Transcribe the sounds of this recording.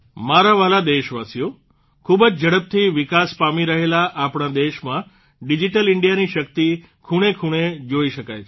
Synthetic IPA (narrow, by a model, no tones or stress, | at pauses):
maɾaʋalad̪eʃʋasjo | kʰubəd͡ʒd͡ʒəɽəp̚t̪ʰiʋɪkaspamiɾəɦelaʔapɳ̃ad̪eʃmã | ɖid͡ʒiʈəlɪɳɖijaniʃək̚t̪i | kʰuɽ̃ekʰuɽ̃ed͡ʒoiʃəkajʰ